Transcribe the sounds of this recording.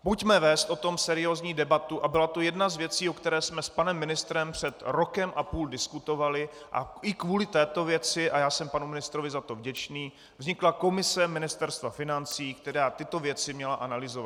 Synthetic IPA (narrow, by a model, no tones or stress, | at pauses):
pucmɛvɛːst̪ʔo̞t̪o̞msɛɾɪjo̞ːzɲiːdɛbat̪uʔabɪlat̪o̞jɛdnazvjɛt͡siːokt̪ɛɾɛːsmɛspanɛmːɪnɪst̪ɾɛmpr̝̥ɛt̪ɾo̞kɛmʔapuːldɪskut̪o̞valɪ | ʔa̰ʔɪkvuːlɪt̪ɛːt̪o̞vjɛt͡sɪʔajaːsɛmpanumɪnɪst̪ɾo̞vɪzat̪o̞vɟɛt͡ʃniː | vzɲɪklako̞mɪsɛmɪnɪst̪ɛɾst̪vafɪnant͡siːkt̪ɛɾaːt̪ɪt̪o̞vjɛt͡sɪmɲɛlaʔanalɪzova̰t̪